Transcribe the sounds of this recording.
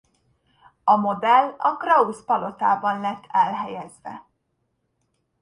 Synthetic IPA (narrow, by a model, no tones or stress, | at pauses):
ɒmo̞d̪ɛlːɒkrɒuspɒlo̞t̪aːbɒnlɛt̪ːɛlɦɛjɛzʋɛ̰